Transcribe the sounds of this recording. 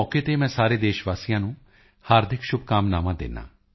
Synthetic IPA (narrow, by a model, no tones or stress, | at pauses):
ɔːkeːt̪eːmɛ̃ːsaːɾeːd̪eːʃʋaːsijãːnũː | haːɾd̪ʱɪkʃʊb̚kaːmnaːmãːd̪ɪ̰nːã̰ː